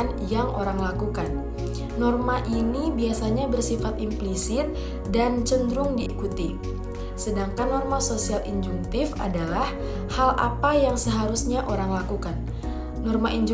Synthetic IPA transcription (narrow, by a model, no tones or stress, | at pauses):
n | jaŋoɾaŋlakukanː | ɔrmaʔinibiasaɲabərsifat̪implisɪt̪̚ | dant͡ʃəndɾʊŋdiːkut̪i | sədaŋkanːɔrmasosialʔiɲd͡ʒuŋkt̪ɪfa̰dalah | halʔa̰pajaŋsəɦaɾusɲaʔoɾaŋlakukanː | ɔrmaʔiɲd͡ʒ